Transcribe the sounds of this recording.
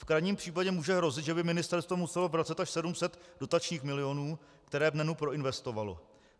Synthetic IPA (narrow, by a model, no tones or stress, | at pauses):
fkɾajɲiːmpr̥iːpaɟɛmuːʒɛɦɾo̞zɪt̪ʒɛbɪmɪnɪst̪ɛɾst̪vomusɛlovɾat͡sɛt̪aʃsɛdumsɛt̪d̥o̞t̪at͡ʃɲiːxmɪlɪo̞nuː | kt̪ɛɾɛːvnɛnupɾo̞ɪnvɛst̪o̞valo̰